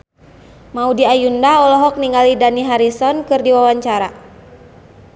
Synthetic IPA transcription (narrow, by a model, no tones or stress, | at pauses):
maudiajundaɔlɔɦɔk̚niŋalidaniɦaɾisɔnkɨrdiwawaɲt͡ʃaɾa